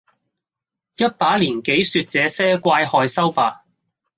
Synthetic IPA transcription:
jɐ˥t̚paː˨˥liː˨˩nke˨˥jsyː˧t̚t͡sɛː˨˧sɛː˥kʷaː˧jhɔː˧jsɐ˥wpaː˧

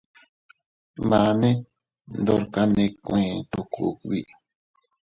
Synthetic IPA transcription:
mã˨˧nẽ˦ | nd̪o˧ɾka˧˦nẽ˧kʷẽ˨˧t̪o˧kṵ˧kβḭ˦

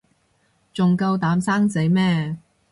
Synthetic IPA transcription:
t͡sʊ˨ŋkɐ˧wt̪aː˨˥msaː˥ŋt͡se˨˥jmɛː˥

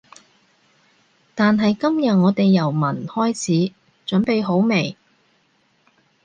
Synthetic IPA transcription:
t̪aː˨nɦɐ˨jkɐ˥mjɐ˨t̚ŋɔː˨˧t̪e˨jːɐ˨˩wmɐ˨˩nhɔː˥jt͡sʰiː˨˥ | t͡ʃɵ˨˥npe˨jɦo˨˥wme˨˩j

